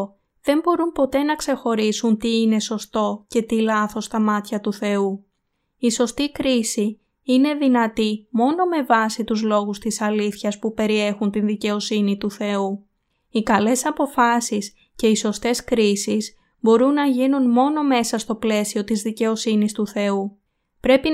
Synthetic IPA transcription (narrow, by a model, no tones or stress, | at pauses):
ðe̞mbo̞ɾumpo̞t̪e̞nɐkse̞xo̞ɾisunt̪iine̞so̞st̪o̞ce̞t̪ilɐθo̞st̪ɐmɐt̪çɐt̪uθe̞u | iso̞st̪ikɾisi | ine̞ðinɐt̪imo̞no̞me̞vɐsit̪uzlo̞ɣust̪isɐliθçɐspupe̞ɾie̞xunt̪inðice̞o̞sinit̪uθe̞u | ikɐle̞sɐpo̞fɐsis | ce̞iso̞st̪e̞skɾisis | bo̞ɾunːɐʝinunmo̞no̞me̞sɐst̪o̞ple̞sio̞t̪izðice̞o̞sinist̪uθe̞u | pɾe̞pi